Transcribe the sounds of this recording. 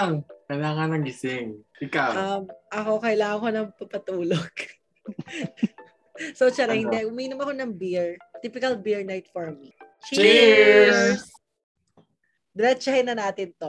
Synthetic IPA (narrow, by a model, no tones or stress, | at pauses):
ŋkɐjlaːŋɐnɐŋɡɪsɪŋʔɪkawɐmʔɐko̞kɐjlaːŋɐŋko̞nɐŋpɐpɐt̪uːloɡ̥ | sot͡ʃɛɾɐhɪnd̪ɛʔʊmiːnʊmɐko̞nɐŋbiɹt̪iːpɪkɐlbiɹnajt̪̚foɹmit͡ʃi | d̪ɾɛt͡ʃɐhɪnːɐnaːt̪ɪnt̪o̞